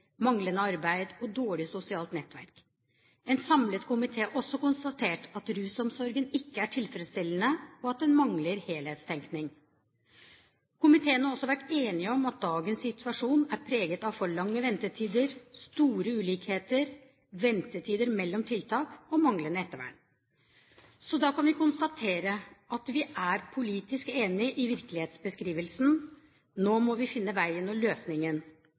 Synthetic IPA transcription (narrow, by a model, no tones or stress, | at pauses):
mɑŋlənəɑɾbæɪd̪ɔd̪oːɭɪsʊsɪɑːlt̪nɛt̪ːʋæ̰ɾk | ɛnsɑmlət̪kʰʊmɪt̪ʰeːʔɔsːɔkʊnst̪ɑt̪ʰeːʈɑt̪ɾʉːsɔmsɔɾɡənɪkːəæʈʰɪlfɾəd̪st̪ɪlːənəɔɑt̪̚d̪ɛnmɑŋləɾheːlheːt̪st̪ʰɛŋknɪŋ | kʰʊmɪt̪ʰeːənhɑɾɔsːɔʋæʈːeːnɪɔmɑt̪̚d̪ɑːɡənsɪt̪ʰʉʋɑʂuːnæɾpʰɾeːɡət̪ɑʋfɔɭɑŋːəʋɛnt̪əʈʰiːd̪əɾst̪uːɾəʉːliːkheːt̪əɾ | ʋɛnt̪ət̪ʰiːd̪əɾmɛlːɔmt̪ʰɪlt̪ʰɑːkɔmɑŋlənəɛt̪ːəɾʋæ̰ɳ | sɔd̪ɑːkʰɑnʋɪkʊnst̪ɑt̪ʰeːɾəʔɑt̪ʋɪʔæɾpʰʊliːt̪ɪskeːnɪʔɪʋɪɾklɪheːt̪sbəskɾiːʋəlsn̩ | noːmɔʋɪfɪnːəʋæɪɛnɔmløːsnɪŋən